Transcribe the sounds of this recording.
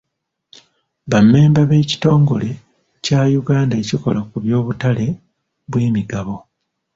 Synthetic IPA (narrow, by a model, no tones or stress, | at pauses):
βamːe̞ːmbaβe̞ːci̥to̞ːŋɡo̞le̞ | caːjuɡaːndaeciko̞̰lakuβjo̞ːβutale̞ | βweːmiɡaβo̞